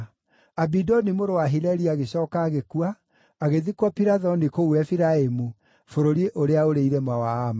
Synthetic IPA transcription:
abidɔnimoɾowaɦilɛɾiaɣeɕɔːkaːɣekuaː | ɣeðikwapiɾaðɔnikouɛfiɾaemu | foɾoɾieʔoɾeaoɾeiɾɛmawaːma

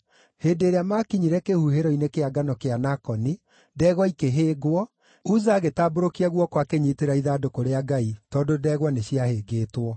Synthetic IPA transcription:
heːdeɾeamakiɲiɾɛkehuheɾɔinekeaɡanɔkeanakɔni | dɛːɣɔikeɦeːɡwɔ | uzaːɣetaːboɾokiaɣwɔkwakeɲiteɾaiðadokoɾeaɡaitɔːdodɛːɣwɔneɕiaheɡeːtwɔ

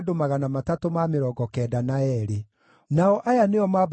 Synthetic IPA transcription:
domaɣanamatatomameɾɔɡɔkɛːdanaɛɾe | naɔʔajaneɔmab

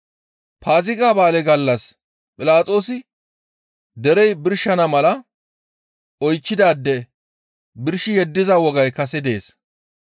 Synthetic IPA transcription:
paːzɪkʼaːbaːlɛɡɐlːɐs | pʼɪlaːt͡sʼo̞ːsɪ | d̪ɛɾɛjbɪɾʃːɐnɐmɐlɐ | ɔjt͡ʃːɪd̪aːd̪ːɛ | bɪɾʃɪjɛd̪ːɪzɐwɔɡɐjkɐsɛd̪e̞ːs

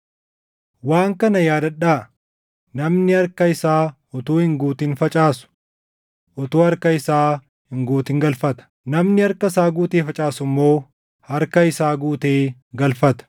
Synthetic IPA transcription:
waːŋkɐnɐjaːd̪ɐᶑaː | nɐmnɪɐɾkɐɪsaː | ɔt̪uːhɪŋɡuːt̪ɪnfɐt͡ʃʼaːsʊ̥ | ʔɔt̪uːɐɾkɐɪsaː | hɪŋɡuːt̪ɪːŋɡɐlfɐt̪ɐ̥ | nɐmnɪɐɾkɐsaːɡuːt̪eːfɐt͡ʃʼaːsʊmːo̞ː | hɐɾkɐɪsaːɡuːt̪eːɡɐlfɐt̪ɐ̥

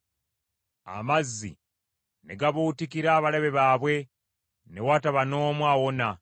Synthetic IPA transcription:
a̰mazːḭ | ne̞ɡaβuːtikiɾaːβaleβe̞βaːβwe̞ | ne̞wataβano̞ːmwawo̞na

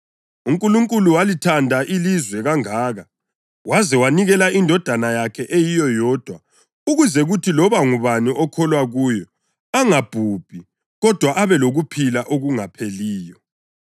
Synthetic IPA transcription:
uŋkʼuluŋkʼuluwalitʰandʱaʔilizwɛɣaŋaːɣa | wazɛwaniɣɛlaindʱɔd̥ʱanajakʰɛʔejijɔjɔːd̥ʱwa | uɣuzɛɣutʰilɔβaŋuβaniʔɔkʰɔlwaɣuːjɔ | aŋab̥ʱub̥ʱi | ɣɔd̥ʱwaʔaβɛloɣupʰilaʔoɣuŋapʰeliːjɔ

